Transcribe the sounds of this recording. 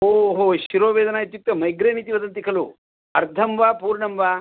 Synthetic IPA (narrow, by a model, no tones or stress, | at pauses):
ɦoɦoɕiɾoːʋeːd̪ɐnajt̪juk̚t̪ɐmɐjɡɾenit̪̬iʋɐd̪ɐnt̪̬ikʰɐlo̰ː | ɐɾt̪ʰɐmʋaːpuːɾɳɐmʋaː